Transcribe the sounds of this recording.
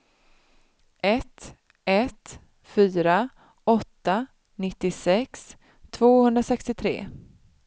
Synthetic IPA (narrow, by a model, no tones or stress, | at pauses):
ʔɛt̪ | ɛt̪ | fyːɾa | ɔt̪ːa | nɪt̪ːɪsɛks | t̪ʰvoːhɵnd̪ɾasɛkst̪ɪt̪ʰɾḛː